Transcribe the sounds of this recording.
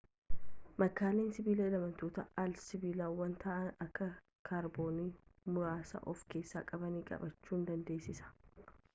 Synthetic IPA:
mɐkːaːleːnsɪbiːlɐɪlɐmɐnt̪oːt̪ɐalsɪbiːlaːwːɐnt̪aːʔɐnɐkːɐ | kʰaːɾbo̞ːnimʊɾaːsɐ̰ʔɔfke̞ːsːa̰ːkʼɐbɐniːkʼɐ̰bɐt͡ʃːuːnd̪ɐnd̪e̞ːsːɪsɐ̥

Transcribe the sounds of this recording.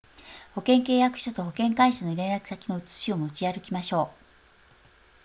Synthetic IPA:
ho̞kẽ̞ŋke̞ːjakɯ̟̥ɕot̪o̞ho̞kẽ̞ŋkaiɕano̞ɾẽ̞nɾakɯ̥sakʲino̞ɯ̟t͡sɨ̥ɕiomo̞t͡ɕiaɾɯ̟kʲimaɕo̞ː

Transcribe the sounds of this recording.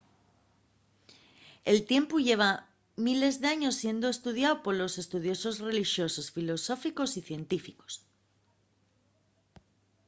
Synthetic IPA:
e̞lt̪je̞mpuʝe̞β̞a | mile̞zðe̞aɲo̞sːje̞nd̪oe̞st̪uðjaopo̞ɾlose̞st̪uð̞jo̞so̞zre̞lixjo̞so̞sfilo̞so̞fiko̞siθje̞nt̪ifiko̥s

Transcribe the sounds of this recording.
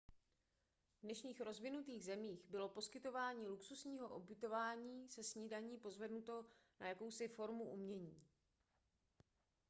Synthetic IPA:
vdnɛʃɲiːxɾo̞zvɪnut̪iːɣzɛmiːxbɪlo̞po̞skɪt̪o̞vaːɲiːluksusɲiːɦo̞ʔobjɪt̪o̞vaːɲiːsɛsɲiːdaɲiːpo̞zvɛdnut̪o̞najako̞wsɪfo̞ɾmuʔumɲɛɲiː

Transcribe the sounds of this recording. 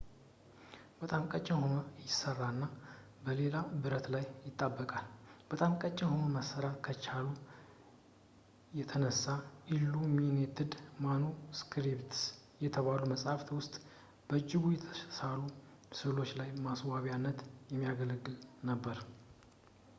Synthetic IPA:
bət̪ʼamkʼət͡ʃʼːɪnɦonəjɪsərːaɨnːa | bəle̞labɨɾət̪lajːɪt̪ʼːabːəkʼalbət̪ʼamkʼət͡ʃʼːɪnhonəməsəɾakʰət͡ʃalu | jɛt̪ʰənəsːaʔilːumined̪ɨd̪manuskʰɾipt̪ | jɛt̪ʰəβaluməsʼhaft̪ʰwʊst̪ʼ | b̥əɨd͡ʒːɪɡujɛt̪ʰəəsalu | sɨβlo̞t͡ʃːlajmaswaβjanːət̪jɛmːijaɡəlɡːɨlnəbːəɾ

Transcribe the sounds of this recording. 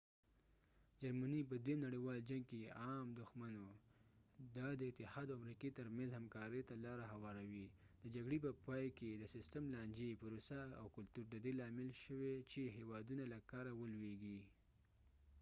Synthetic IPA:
d͡ʒaɾmanip̬əd̪wemnaɽiwɑld͡ʒaŋɡ̚keɑmd̪ʊxmano | d̪ad̪əɪt̪ɪhɑd̪awamɾiket̪əɾmanzhamkɑɾət̪alɑɾaɦawɑɾawid̪əd͡ʒaɡɽepəpɑjked̪əsɪsʈəmlɑnd͡ʒepəɾosaa̰wkʊlt̪uɾd̪əd̪elɑmɪlʃəwet͡ʃeɦewɑd̪unalakɑɾawəlweɡi

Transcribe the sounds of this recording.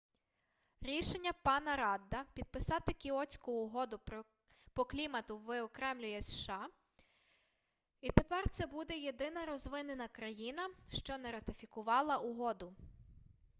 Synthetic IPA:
ɾʲiʃe̞nʲːɐpɑnɐɾɑd̪ːɐpʲid̪̚pɪsɑt̪ɪkʲiɔt͡sʲkʊːɦɔd̪ʊ | pɔklʲimɐt̪ʊʋɪɔkɾɛmlʲʊjɛsʃɑ | it̪epɛrt̪sɛbud̪ɛjed̪ɪnɐɾɔzʋɪnenɐkɾɐjinɐʃt͡ʃɔnɛɾɐt̪ɪfʲikʊʋɑlˠɐʔʊɦɔd̪ʊ

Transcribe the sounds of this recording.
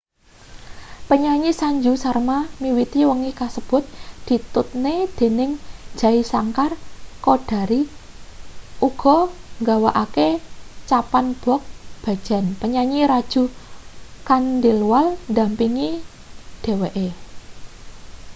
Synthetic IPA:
pəɲaɲisaɲd͡ʒusarmamiwit̪iwəŋikasəb̥ʊ̤t̪̚d̪̥i̤t̪ʊt̪̚ned̪̥e̤nɪŋ̥d͡ʒ̥a̤isaŋkarkoɖ̥a̤ɾi | ʔuɡ̥ɔ̤ŋɡawaʔaket͡ʃapanb̥ɔ̤k̚b̥ä̤̥d͡ʒ̥a̤npəɲaɲiɾad̥ʒ̥ṳ | kand̪ɪlwalnd̪ampiŋi | d̥e̤weʔe

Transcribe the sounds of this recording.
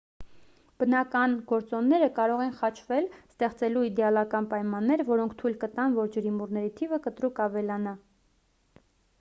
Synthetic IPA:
b̥ənɑkɑnɡɔɾt͡sɔnːɛɾəkɑɾɔʁɛnχɑt͡ʃʰvɛlst̪ɛχt͡sɛluid̪ɛɑlɑkɑnpɑjmɑnːɛɾvɔɾɔŋkʰt̪ʰujlkət̪ɑnvɔɾd͡ʒəɾimurnɛɾit̪ʰivəkət̪ɾukɑvɛlɑnɑ

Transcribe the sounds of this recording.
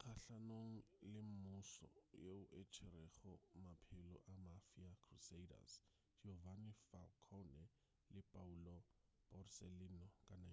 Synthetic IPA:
kʰaɬanoŋ̩lɪm̩mʊsɔ̰jeʊʔet͡ʃʰɪɾɛχɔmapʰɪlɔ̰ʔamafiakʰruseida̰s | d͡ʒovanifalkʰɔnɛ | lɪpʼaulɔ | pɔrsɛlinɔkʼana

